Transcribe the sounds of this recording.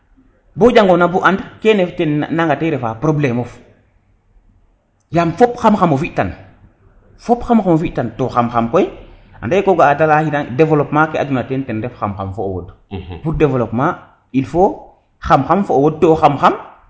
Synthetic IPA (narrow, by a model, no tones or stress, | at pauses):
bod͡ʒaŋɡonabuʔandkeneftennaŋɡateɾefapɾoblemof | jamfopxamxamofiʔtan | fopxamxamofiʔtantoxamxamkoj | a̰ndaekoɡaːtalahitaŋdevolopmakeadunatentenɾɛfxamxa̰mfoowo̰dbudevolopma | ilfo | xamxamfoowod̚toːxamxam